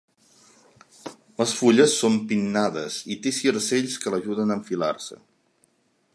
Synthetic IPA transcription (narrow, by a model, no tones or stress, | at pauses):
ləsfuʎəsːompinːaðəzit̪esiɾseʎskələʒuðənəɱfila̰rsə̰